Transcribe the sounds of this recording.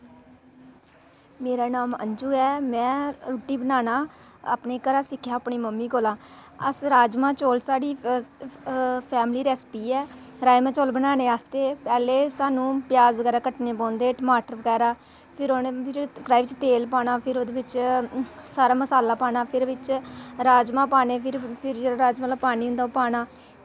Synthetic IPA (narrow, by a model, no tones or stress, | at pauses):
meːɾaːnaːmə̰ɲd͡ʒuːɛːmɛ̃ːɾoːʈːiːbənaːnaː | a̰pneːkəɾaːsɪkʰːjãːəpɳiːməmːiːkoːlãː | əsɾaːd͡ʒmãːt͡ʃoːlsaːɽiː | pʰɛːmliːɾɛːspiːɛːɾaːjmɛ̃ːt͡ʃoːlbənaːneːaːst̪eːpɛːleːsaːnũːpjaːzbəɡɛːɾaːkəʈneːpɔ̃ːnd̪eːʈəmaːʈəɾʋəɡɛːɾaː | pʰɪɾonpʰɪɾɡɾaːiʋɪt͡ʃt̪eːlpaːnaːpʰɪɾod̪eːʋɪt͡ʃ | saːɾaːməsaːlaːpaːnaːpʰɪɾʋɪt͡ʃɾaːd͡ʒmãːpaːneːpʰɪɾpʰɪɾd͡ʒeɾaːd͡ʒməlapaːniːɦʊ̃nd̪aːpaːnaː